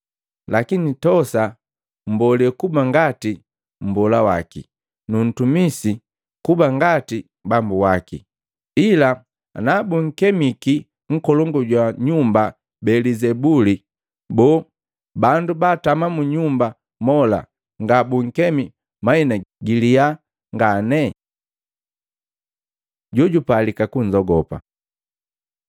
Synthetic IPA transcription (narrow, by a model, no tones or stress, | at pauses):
lakinitɔsa | m̩bɔlɛkubaŋɡati | m̩bɔlawa̰kḭ | nun̩tumisi | kubaŋɡati | bambuwakḭ | ila | nabuŋ̩kɛmiki | ŋ̩kɔlɔŋɡɔɟwaɲumba | bɛlizɛbuli | bɔ | bandubatamamuɲumba | mɔla̰ | ŋɡabuŋ̩kɛmi | mainaɡilia | ŋɡanɛ | ɟɔɟupalikakuɲd͡ʒɔɡɔpa̰